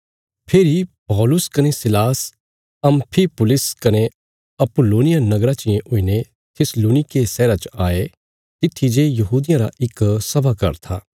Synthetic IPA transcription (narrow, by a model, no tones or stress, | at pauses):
pʰeːɾipɔːlʊskɐnesɪlaːs | ɐ̃mpʰipʊlɪskɐne | ɐpʊloːnɪjãnɐɡɾat͡ʃɪẽʔʊiːne | t̪ʰɪsloːnɪkesɛːɾat͡ʃaːe | t̪ɪt̪ʰːid͡ʒejɐɦuːd̪ɪjãɾa̰ʔɪksɐbakɐ̰ɾt̪ʰa̰ː